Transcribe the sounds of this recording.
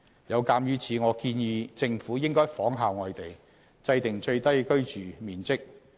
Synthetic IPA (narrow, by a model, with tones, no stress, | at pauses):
jɐ˨˧wkaː˧mjyː˨˥t͡sʰiː˨˧ŋɔː˨˧kiː˧njiː˨˧t͡sɪ˧ŋfuː˨˥jɪ˥ŋkɔː˥jfɔː˨˥ŋɦaː˨˧wŋɔː˨˧jt̪e˨j | t͡sɐ˧jt̪ɪ˨˩ŋt͡ʃɵ˧ɥt̪ɐ˥jkɵ˥ɥt͡ʃyː˨miː˨˩nt͡sɪ˥k̚